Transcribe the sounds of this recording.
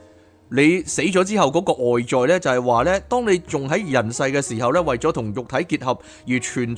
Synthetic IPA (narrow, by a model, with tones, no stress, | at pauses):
le˨˧jse˨˥jt͡sɔː˨˥t͡siː˥hɐ˨˩wkɔː˨˥kɔː˧ʔɔː˨jt͡sɔː˨˧jlɛː˥t͡sɐ˨hɐ˨jwaː˨lɛː˥t̪ɔː˥ŋne˨˧jt͡sʊ˨ŋɦɐ˨˥jjɐ˨˩nsɐ˧jkɛː˧siː˨˩hɐ˨wlɛː˥wɐ˨jt͡sɔː˨˥t̪ʰʊ˨˩ŋjʊ˨k̚t̪ʰɐ˨˥jkiː˧t̚hɐ˨p̚ | jiː˨˩t͡ʃʰyː˨˩n